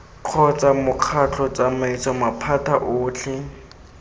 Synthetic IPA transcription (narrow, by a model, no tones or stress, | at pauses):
q͡χʰɔt͡samʊq͡χʰat͡ɬʰɔt͡samait͡sɔmapʰatʰaʔʊːt͡ɬʰɪ